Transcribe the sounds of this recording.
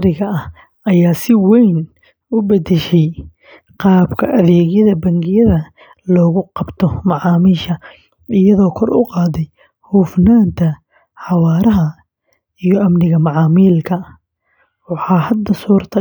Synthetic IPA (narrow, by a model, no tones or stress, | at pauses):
ɾɪɣɐʔɐh | ɐjaːsɪwɛjn | ʊbɐd̪ɛʃɛj | qɑːbkʰɐʔɐðɛːɣjɐðɐbɐŋɡɪjɐðɐ | lɔːɣʊqɑbt̪ʰɔmɑʕɑːmiːʃɐ | ɪjɐðɔːkʰɔrʊ̰qɑːðɛj | huːfnaːnt̪ʰɐ | ħɑwɑːɾɐɦɐ | ijɔʔɐmnɪɣɐmɑʕɑːmiːlkʰɐ | wɑħɑːhɐd̪ɐsuːrt̪ʰɐ